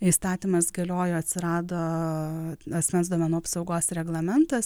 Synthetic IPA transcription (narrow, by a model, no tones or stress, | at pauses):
iːst̪ɑːt̪ʲimɐsɡɐlʲoːjoːɐt̪ʲsʲɪɾɑːd̪oː | ɐsʲmʲɛnsd̪oɔmʲɛnuːɐpsɒʊɡoːsɾʲɛɡlˠɐmʲɛnt̪ɐs